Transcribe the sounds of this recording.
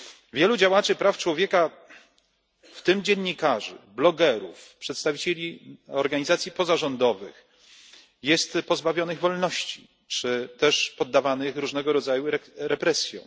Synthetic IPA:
vʲjɛlud͡ʑawat͡ʂɘpɾaft͡ʂwɔvʲjɛka | ft̪ɘmd͡ʑɛɲʲːikaʐɘ̰blɔɡɛɾṵfpʂɛt̪st̪avʲit͡ɕelʲiɔɾɡaɲizat̪sʲjipɔzaʐɔnd̪ɔvɘ̰x | jɛst̪pɔzbavʲjɔnɘɣvɔlnɔɕt͡ɕi | t͡ʂɘt̪ɛʂpɔd̪ːavanɘxɾuʐnɛɡɔɾɔd̪zajuɾɾɛpɾɛsʲjɔ̰̃w̃

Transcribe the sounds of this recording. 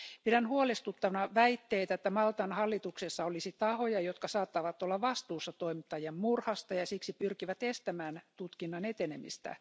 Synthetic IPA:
pidænhuolest̪ut̪ːɑʋnɑʋæit̪ːeit̪æet̪ːæmɑlt̪ɑnhɑlːit̪uksesːɑolisit̪ɑhojɑjot̪kɑsɑːt̪ːɑʋɑt̪ːolːɑʋɑst̪uːsːɑt̪oimit̪ːɑjemmurhɑst̪ɑjɑsiksipyrkiʋæt̪est̪æmæːnt̪ut̪kinːɑnet̪enemḭst̪æ̰

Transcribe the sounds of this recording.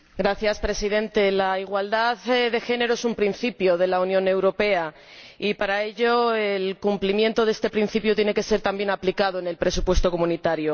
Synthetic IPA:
ɡɾaθjaspɾe̞siðe̞nt̪e̞laiɣ̞wald̪aððe̞xe̞ne̞ɾo̞e̞sumpɾinθipjoð̞e̞launjõ̞ne̞wɾo̞pe̞a | ipaɾaeʎoelkumplimje̞nt̪o̞ðe̞st̪e̞pɾin̟θipjot̪jne̞ke̞se̞ɾt̪ambje̞naplikað̞o̞enelpɾe̞supwe̞st̪o̞ko̞munit̪aɾjo̞

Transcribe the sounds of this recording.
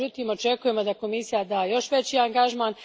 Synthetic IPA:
ut̪iːmo̞t͡ʃe̞kuje̞mo̞d̪ako̞misijad̪aːjo̞ʃʋe̞t͡ɕiːaŋɡaʒmaːn

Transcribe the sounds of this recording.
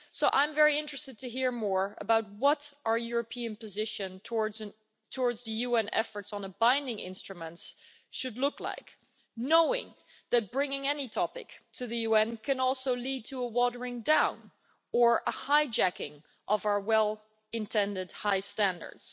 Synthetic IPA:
soʊʔã̰ɪ̃ɱvɛɹiɪ̃nt͡ʃɹ̥ɨstɨd̚tʰɨɦiɹmɔɹə̰baʊt̚wʌɾʔə˞jʊɹɨpʰĩɨ̃npɨzɪʃɨ̃ntʰɔɹz | tʰɔɹdzðɨjuɛ̃nɛ̰fə˞tsn̩əbãɪ̃ndɪ̃ŋʔɪ̰̃nstɹ̥ɨmə̃nts | ʃɨdˡlʊkla̰ɪk | noʊɪ̰̃ŋ | ðɨt̚b̥ɹɪ̃ŋɪ̃ŋɛnitʰɑpɪ̰ktʰɨðɨjʉɛ̃nkʰɨ̃nɔlˠsoʊlid̚tʰəəwɔɾə˞ɪ̃ŋdãʊ̃n | ə˞ʔəhaɪd͡ʒækɪ̃ŋ | ʔʌvaə˞wɛlˠ | ɨ̃ntʰɛ̃ndɨd̚haɪstæ̃ndə̰˞d̥z̥

